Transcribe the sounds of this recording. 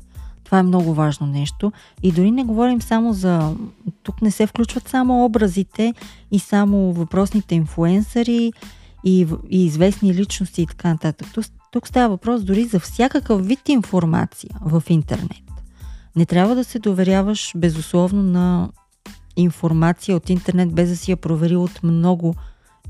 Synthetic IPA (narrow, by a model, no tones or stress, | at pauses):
t̪ovaɛmnɔɡʊvaʒnonɛʃt̪o | id̪ʊɾinɛɡovɔɾimsamozɐt̪uknɛsɛfklʲut͡ʃvət̪samoɔbɾəzit̪ɛisamovɐpɾɔsnit̪ɛinfluɛnsəɾiiviːzvɛsnilit͡ʃnost̪iːt̪ɐ̥kanɐt̪at̪ək̚t̪ut̪ukst̪avəvɐpɾɔsd̪ʊɾizɐfsʲjakəkəfvit̪infoɾma̰t̪sijəvɐfint̪ɛ̰ɾnɛt̪nɛt̪ɾʲjabvəd̪ɐsɛd̪ovɛɾʲjavəʃbɛzʊslˠɔvnonɐ | infoɾmat̪sijəot̪int̪ɛɾnɛt̪̚bɛzd̪ɐsɛjɐpɾovɛɾiot̪mnɔɡʊ